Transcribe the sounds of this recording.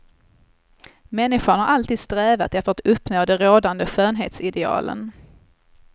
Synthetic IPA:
mɛnːɪɧaɳhaɾʔalt̪iːd̪̥st̪ɾɛːva̰t̪ɛft̪əɾat̪ɵpːnoːd̪ɛɾoːd̪and̪əɧøːnɦḛːt̪sɪd̪ɛɑ̰ːlə̰n

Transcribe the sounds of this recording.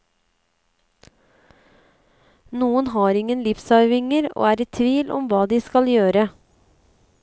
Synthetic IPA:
nuːənhɑːɾɪŋənlɪfsɑʏʋɪŋəɾo̰ːæːɾɛt̪ʰʋiːlʔɔ̰mʋɑːd̪iːskɑljøːɾə

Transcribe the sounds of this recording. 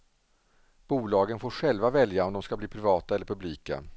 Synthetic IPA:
b̥uːlɑːɡənfoːɾɧɛlvavɛljaɔmd̪ɔmskabliːpʰɾɪvɑːt̪aɛlːəɾpʰɵbliːka̰

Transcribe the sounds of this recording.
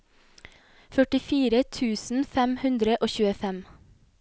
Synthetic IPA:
fœʈɪfiːɾət̪ʰʉːsn̩fɛmhʉnd̪ɾəʔoːçʉːəfɛm

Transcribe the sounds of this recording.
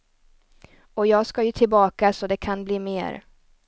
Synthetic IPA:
ɔjɑːɡskajɵt̪ʰɪlbɑːkasɔd̪ɛkʰanbliːmḛːɾ

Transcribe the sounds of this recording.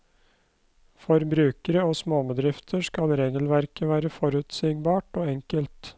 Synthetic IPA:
fɔɾbɾʉːkəɾəoːsmoːməd̪ɾɪft̪ʰəskɑlɾeːɡəlʋæɾkəʋæːɾəfɔɾʉːt̪sɪŋbɑːʈoːɛŋkəlt̪

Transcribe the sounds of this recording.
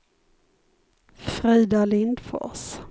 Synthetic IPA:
fɾiːd̪alɪnd̪fɔ̰s

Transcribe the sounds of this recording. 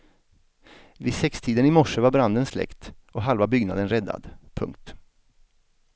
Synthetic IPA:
vɪsɛkst̪ʰiːd̪ənɪmɔʂəvaɾbɾand̪ənslɛ̰kt̪ɔɦalvabʏɡnad̪ənɾɛd̪ːa̰d̪pʰɵ̰ŋk̚t̪

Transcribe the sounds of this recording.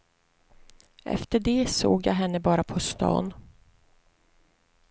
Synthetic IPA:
ʔɛ̰ft̪əɖɛsoːɡjɑ̰ːɦɛnːəbɑːɾapʰɔst̪ɑ̰ːn

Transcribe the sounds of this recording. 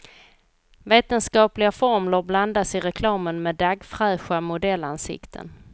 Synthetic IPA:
veːt̪ənskɑːplɪɡafɔɾmləɾbland̪asɪɾɛkʰlɑːmənmed̪aɡfɾœːɧamʊd̪ɛlːansɪ̰kt̪ʰə̰n

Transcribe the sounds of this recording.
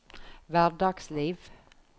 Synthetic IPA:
væːɖɑːɡsliːv

